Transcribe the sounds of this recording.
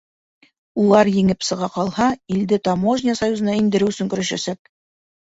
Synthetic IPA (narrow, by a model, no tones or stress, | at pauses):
ulˠɑɾjɘ̆ŋɘpsɤ̆ʁɑqɑlˠhɑild̪ɘt̪ɑmoʒnʲɪasɐjuzɤ̆nɑind̪ɘ̆ɾɘɵ̆sɵŋkɵ̆ɾæ̆ʃæ̰sæk̚